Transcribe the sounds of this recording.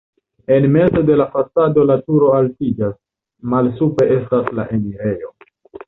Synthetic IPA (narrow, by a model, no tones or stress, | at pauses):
e̞nme̞zo̞de̞lafasado̞latuɾo̞altid͡ʒas | malsupe̞ʔe̞stasla̰ʔe̞miɾe̞jo̞